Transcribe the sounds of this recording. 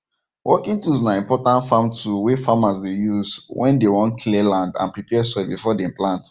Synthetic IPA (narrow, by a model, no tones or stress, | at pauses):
wʔɔkĩŋtuznaĩmpɔtãntfãmtuwefamasdejuzwʔɛ̃ndewɔ̃ntkʰlɛlãndã̰npɹipɛsɛbifɔdeĩmplãnt